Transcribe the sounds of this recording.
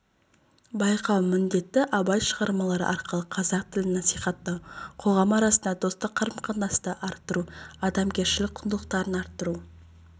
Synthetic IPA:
bɑjqʰɑwmɪnd̪e̞t̪ːɪʔɑbɑjʃəʁɑɾmɑlˠɑɾə̰ʔɑɾqəlˠəqʰɑzɑq̚t̪ʰɪlɪnɑsijχɑt̪ːəqʰo̞ʁɑmɑɾɑsənd̪ɑd̪o̞st̪əqʰːɑɾəmqɑnɑst̪əʔɑɾt̪ːəɾuɑd̪ɑmkʲe̞ɾʃɪlɪk̚ʲqʰʊnd̪əlˠəq̚t̪ɑɾənɑɾt̪ːəɾu

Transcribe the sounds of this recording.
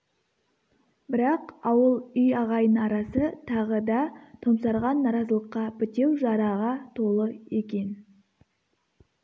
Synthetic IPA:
bɪɾɑqɑwəlˠʏjɑʁɑjənɑɾɑsət̪ʰɑʁəd̪ɑt̪ʰomsɑɾʁɑnːɑɾɑzəlˠəqːɑpɪt̪e̞wʒɑɾɑʁɑt̪ʰo̞lˠəe̞kʲe̞n

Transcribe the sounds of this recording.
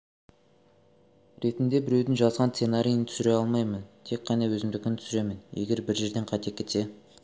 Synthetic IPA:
ɾe̞t̪ɪnd̪e̞bɪɾe̞wd̪ɪŋʒɑzʁɑnt̪senaɾʲijənt̪ʰʏ̥sɪɾe̞ɑlˠmɑjmənt̪ʰe̞kʲqʰːɑnɑwɵzɪmd̪ɪkʲɪnt̪ʰʏsɪɾe̞mɪnjḛɡʲe̞ɾbɪɾʒe̞ɾd̪e̞ɴqʰɑjt̪ekʲʰːe̞t̪se̞

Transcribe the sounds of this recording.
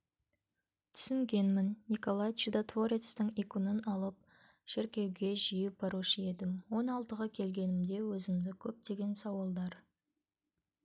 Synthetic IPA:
t̪ʰʏ̥sɪŋɡʲe̞nmɪnːiko̞lˠajt͡ʃid̪at̪ʰoɾʲet̪st̪əɴikʊnənɑlˠəp̚ | ʃɪɾkʲe̞wɡʲe̞ʒijɪb̥ɑɾuʃəe̞d̪ɪmwo̞nɑlˠt̪əʁəkʲʰe̞lɡʲe̞nɪmd̪e̞wɵzɪmd̪ɪkʲʰɵp̚d̪e̞ɡʲe̞nsɑwɑlˠd̪ɑɾ

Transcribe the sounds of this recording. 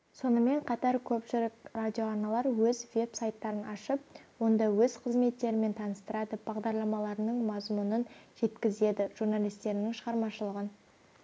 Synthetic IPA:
so̞nəme̞ɴqʰɑt̪ɑɾkʲʰɵpʃɪɾɪkradʲijo̞ɑɾnɑlˠɑɾwɵzve̞bsajt̪ːɑɾənɑʃəp̚wo̞nd̪ɑwɵz̥qʰəzme̞t̪ːe̞ɾɪme̞nt̪ʰɑnəst̪əɾɑd̪əb̥ɑʁd̪ɑɾlˠɑmɑlˠɑɾənəɴmɑzmunənʒ̥e̞t̪kʲɪze̞d̪ɪʒ̥uɾnalʲˠijst̪e̞ɾnɪŋʃəʁɑɾmɑʃəlˠəʁən

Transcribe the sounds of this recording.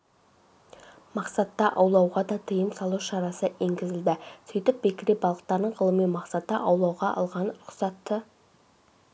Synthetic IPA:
mɑqsɑt̪ːɑʔɑwlˠɑwʁɑd̪ɑt̪ʰəjəmsɑlˠuʃɑɾɑsəe̞ŋɡʲɪzɪld̪ɪsijt̪ɪp̚bekʲɪɾebɑlˠəq̚t̪ɑɾd̪əɴʁəlˠəmijmɑqsɑt̪əʔɑwlˠɑwʁɑʔɑ̰lˠʁɑnɾʊqsɑt̪ːə

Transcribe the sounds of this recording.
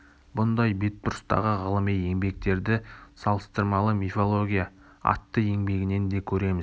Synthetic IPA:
bʊnd̪ɑjbe̞t̪̚bʊɾst̪ɑ̰ʁəʁəlˠəmije̞ŋbe̞k̚t̪e̞ɾd̪ɪsɑlˠəst̪əɾmɑlˠəmifolˠo̞ɡʲijɑ | ɑ̰t̪ːəe̞ŋbe̞ɡʲɪne̞nd̪e̞kʲʰɵɾe̞mɪz̥

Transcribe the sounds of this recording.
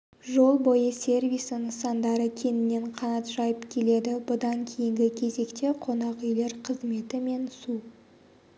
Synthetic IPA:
ʒo̞lˠbo̞jəsʲe̞rvʲijsənsɑnd̪ɑɾəkʲʰe̞nɪnːe̞ɴqʰɑnɑt̪ʒɑjəpkʲʰe̞le̞d̪ɪbʊd̪ɑŋkʲʰejɪŋɡʲɪkʲʰe̞ze̞kt̪e̞qʰo̞nɑqʏjle̞ɾqʰəzme̞t̪ɪme̞nsu

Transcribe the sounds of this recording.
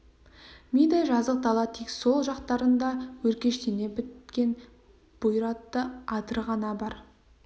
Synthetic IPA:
mʲijd̪ɑʒɑzəq̚t̪ɑlˠɑt̪ʰekso̞lˠʒɑqt̪ɑɾənd̪ɑwɵɾkʲe̞ʃt̪ene̞bɪt̪kʲe̞n | b̥ʊjɾɑt̪ːəɑt̪əɾʁɑnɑbɑɾ

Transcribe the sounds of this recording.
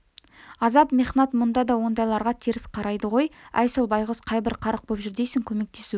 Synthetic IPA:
ɑzɑpmeχnɑt̪mʊnd̪ɑd̪ɑwo̞nd̪ɑjlˠɑɾʁɑt̪ʰiɾɪsqʰɑɾɑjd̪əʁo̞jæ̰jso̞lˠbɑjʁəsqʰɑjbɪɾqʰɑɾəq̚bopʒʏɾd̪e̞sɪŋkʲʰɵme̞k̚t̪e̞su

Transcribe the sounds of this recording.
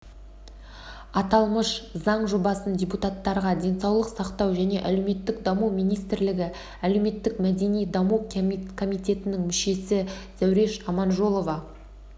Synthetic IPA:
ɑt̪ɑlˠməʃzɑɴʒobɑsəndʲeput̪at̪ːɑɾʁɑd̪ʲe̞nsɑwlˠəqsɑqt̪ɑwʒæne̞ʔælewme̞t̪ːɪkd̪ɑmumijnijst̪ɪɾlɪɡʲɪ | æle̞wme̞t̪ːɪkmæd̪e̞nijd̪ɑmukʰo̞mijt̪ʲe̞t̪ɪnɪŋmʏʃe̞sɪz̥æwɾe̞ʃɑmɑnʒo̞lˠo̞vɑ

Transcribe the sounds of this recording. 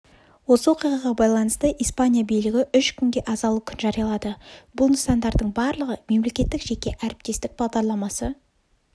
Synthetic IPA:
wo̞səwo̞qijʁɑʁɑbɑjlˠɑnəst̪əʔijspanʲijabijlɪɡʲɪʔʏʃkʲʰʏŋɡʲe̞ʔɑzɑlˠukʲʰʏnʒɑɾijɑlˠɑd̪əbʊlˠnəsɑnd̪ɑɾd̪əɴbɑɾlˠəʁəme̞mle̞kʲe̞t̪ːɪkʒekʲe̞ʔæɾɪp̚t̪e̞st̪ɪk̚bɑʁd̪ɑɾlˠɑmɑsə

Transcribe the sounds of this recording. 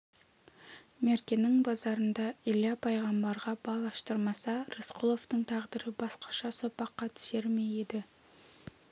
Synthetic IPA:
me̞ɾkʲenɪŋbɑzɑɾənd̪ɑilɑpʰɑjʁɑmbɑɾʁɑbɑlˠɑʃt̪əɾmɑsɑɾəsqʰʊlˠo̞ft̪əɴt̪ʰɑʁd̪əɾəbɑsqɑ̥ʃɑsopɑqːɑt̪ʰʏ̥ʃe̞ɾme̞jed̪ɪ

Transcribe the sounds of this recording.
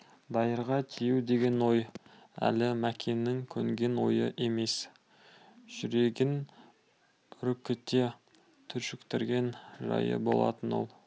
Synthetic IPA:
d̪ɑjəɾʁɑt̪ʲʰijɪwd̪e̞ɡʲe̞nwo̞j | æ̰lɪmækʲʰenːɪŋkʲʰɵŋɡʲe̞nwo̞jəʔe̞me̞s | ʒ̥ʏɾe̞ɡʲɪn | ɾʏkʲːɪt̪ːe̞ | t̪ʰʏɾʃʏkt̪ɪɾɡʲe̞nʒɑ̰jə̰bo̞̰lˠɑ̰t̪ənwo̞̰lˠ

